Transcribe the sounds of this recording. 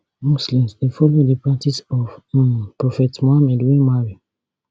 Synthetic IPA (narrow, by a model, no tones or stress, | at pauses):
muslĩmsdefɔlodipɹak̚tisɔfpɹɔfɛtmohamɛdwẽmaɹi